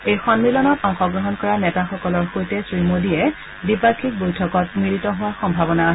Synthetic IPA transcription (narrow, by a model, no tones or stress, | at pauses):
ejxɔnmilɔnɔtɔŋxɔɡɹɔɦɔnkɔɹanɛtaxɔkɔlɔɹxojtɛsɹimodiɛ | dipakʰik̚bojtʰɔkɔt̚mɹiɹitɔɦʊwaxɔmbʱabɔnaaɦ